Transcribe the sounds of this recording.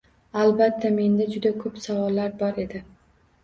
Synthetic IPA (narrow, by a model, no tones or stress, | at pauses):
albat̪ʰːame̞nd̪ad͡ʒʊd̪akʰɵpsavɒlːaɾbɒɾe̞d̪ɪ